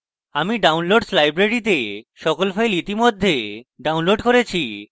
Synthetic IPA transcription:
amiɖawnloɖslajbɾeɾit̪̬eʃɔkolfajlit̪imod̪ʱːeɖawnloɖkoɾet͡ɕʰi

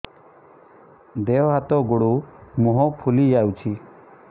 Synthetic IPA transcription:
d̪eɔɦat̪ɔɡoɽumuɦɔpʰulijawt͡ʃʰi

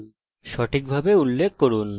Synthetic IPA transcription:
ʃɔʈʰik̚bʱabeulːekʰːoɾun

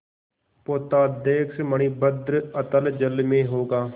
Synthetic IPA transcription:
poːt̪aːd̪eːksməɳ̃iːbəd̪ɾət̪əld͡ʒəlmẽːɦoːɡaː

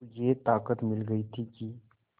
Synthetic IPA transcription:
jet̪aːkət̪mɪlɡɐit̪ʰiki

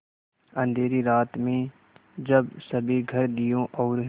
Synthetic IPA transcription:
ə̃nd̪ʱeːɾiɾaːt̪mẽ | d͡ʒɐbsɐbʱiɡʱɐɾd̪ɪjõʔɔːɾ

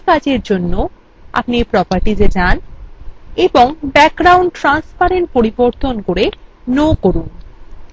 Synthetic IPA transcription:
kad͡ʑeɾd͡ʑonːo | a̰pnipɾɔpaɾʈid͡ʑed͡ʑan | eboŋbɛk̚ɡɾawɳʈʈɾanspaɾeɳʈ̚poɾiboɾt̪onkoɾe | nokoɾun

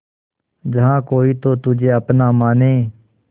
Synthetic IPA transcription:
d͡ʒəɦãːkoːiːt̪oːt̪ʊd͡ʒeːəpnaːmaːneː

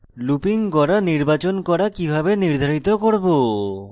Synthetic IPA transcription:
lupiŋkɔɾaniɾbat͡ɕonkɔɾakibʱabeniɾd̪ʱaɾit̪okoɾbo

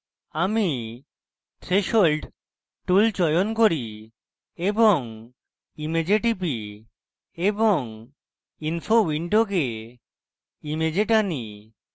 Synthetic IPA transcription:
ami | ʈʰɾeʃolɖ | ʈult͡ɕɔjonkoɾi | eboŋ | imed͡ʑeʈipi | eboŋ | infʰowiɳɖoɡe | imed͡ʑeʈani

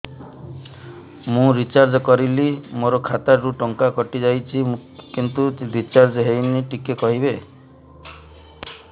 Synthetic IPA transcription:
mũɾit͡ʃaɾd͡ʒɔkɔɾilimoɾɔkʰat̪aɾɾuʈɔŋkakɔʈid͡ʒajt͡ʃʰikint̪uɾit͡ʃaɾd͡ʒɦejniʈikekɔɦiβe

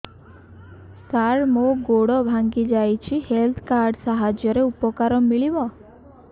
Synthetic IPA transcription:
saɾmoɡoɽɔbʱaŋɡid͡ʒajt͡ʃʰihelt̪ʰkaɾɖsaɦad͡ʒjɔɾeupɔkaɾɔmiɭibɔ

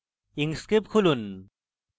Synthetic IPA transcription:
iŋskip̚kʰulun

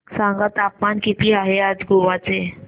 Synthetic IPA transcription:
sãŋɡat̪apmankit̪iaɦead͡zɡoʋat͡se

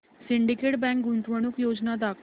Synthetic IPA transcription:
siɳɖikeʈbɛ̃ŋk̚ɡũnt̪ʋəɽ̃uːkjod͡ʑnad̪ak

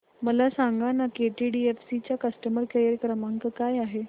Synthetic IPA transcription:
məlasaŋɡanakeʈiɖiefsit͡ɕjakəsʈəməɾkəjəɾkɾəmaŋkəkajaɦe

